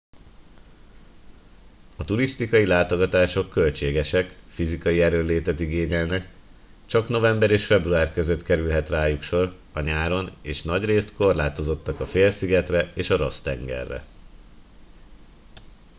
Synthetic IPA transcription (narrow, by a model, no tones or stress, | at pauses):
ɒt̪uɾist̪ikɒjilaːt̪o̞ɡɒt̪aːʃo̞kːø̞lt͡ʃeːɡɛʃɛkfizikɒjiɛɾønlːeːt̪ɛt̪iɡeːɲɛlnɛk | t͡ʃɒkno̞vɛmbɛɾeːʃfɛbruaːrkøzøt̪kɛɾylɦɛt̪raːjukʃo̞r | ɒɲaːɾo̞neːʃnɒɟreːst̪ko̞rlaːt̪o̞zo̞t̪ːɒkɒfeːlsiɡɛt̪rɛeːʃɒɾo̞st̪ɛŋɡɛ̰rːɛ̰